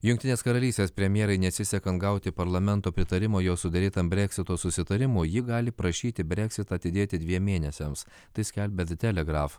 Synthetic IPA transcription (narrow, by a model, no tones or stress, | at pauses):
jʊŋkʲt̪ʲɪnʲeːskɐɾɐlʲiːsʲt̪ʲeːspʲɾʲɛmʲjeɛɾɐɪnʲɛt̪sʲɪsʲɛkɐnt̪̚ɡɐʊt̪ʲɪpɐɾlˠɐmʲɛnˑt̪oːpʲɾʲɪt̪ɐɾʲɪmoːjoːsʊd̪ɐɾʲiːt̪ɐmbʲɾʲɛkʲsʲɪt̪oːsʊsʲɪt̪ɐɾʲɪmʊːjɪɡɑːlʲɪpɾɐʃʲiːt̪ʲɪbʲɾʲɛkʲsʲɪt̪ɐɐt̪ʲɪd̪ʲeːt̪ʲɪd̪ʲʋʲiɛmʲmʲeːnʲɛsʲɛms | t̪ɐɪsʲkʲɛlʲbʲɛd̪ʲt̪ʲɛlʲɛɡɾɑːf